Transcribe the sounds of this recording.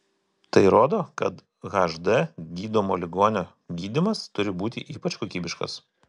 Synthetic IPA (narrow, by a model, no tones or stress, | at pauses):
t̪ɐɪɾoːd̪oːkɐt̪ | ɣɐʒd̪ɛɡʲiːd̪oːmoːlʲɪɡoːnʲoː | ɡʲiːd̪ʲɪmɐst̪ʊɾʲɪbuːt̪ʲɪʔiːpɐt͡ʃkoːkʲiːbʲɪʃkɐ̰s